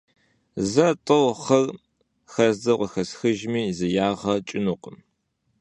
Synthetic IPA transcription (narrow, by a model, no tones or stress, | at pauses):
zɐtʼɨwχɐr | xɐzdɐqʷʼɔxɐsxɨʒmiːzɨjaːʁɐt͡ʃʼɪnuqʼəm